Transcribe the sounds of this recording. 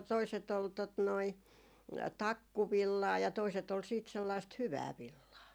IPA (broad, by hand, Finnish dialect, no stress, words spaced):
toiset ol tot noi tɑkːuʋilːɑː jɑ toiset ol siːt selːɑist hyʋæː ʋilːɑː